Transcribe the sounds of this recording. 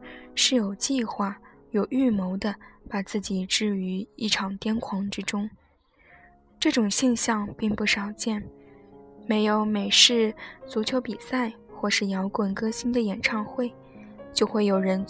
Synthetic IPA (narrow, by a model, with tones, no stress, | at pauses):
ʂɻ̩˥˩jo˨˩ʊt͡ɕi˥˧xwa˥˩ | jo˨˩ʊy˥˩mo˧˥ʊd̪ə˧pa˨˩t͡sɹ̩˥˩t͡ɕi˨˩ʈ͡ʂɻ̩˥˩y˧˥i˥˩ʈ͡ʂʰɑ˨˩ŋt̪jɛ˥nkʰwɑ˧˥ŋʈ͡ʂɻ̩˥ʈ͡ʂʊ˥ŋ | ʈ͡ʂɤ˥˩ʈ͡ʂʊ˨˩ŋɕjɛ˥˧nɕjɑ˥˧ŋpi˥˧ŋpu˥˩ʂɑ˨˩ʊt͡ɕjɛ˥˩n | me˧˥ɪjo˧˥ʊme˨˩ɪʂɻ̩˥˩t͡su˧˥t͡ɕʰjo˧˥ʊpi˨˩sa˥˧ɪ | xwɔ˥˧ʂɻ̩˥˩jɑ˧˥ʊkwə˨˩nkɤ˥ɕi˥nd̪ə˨jɛ˨˩nʈ͡ʂʰɑ˥˧ŋxwe˥˩ɪ | t͡ɕjo˥˧ʊxwe˥˩ɪjo˨˩ʊɻə˧˥n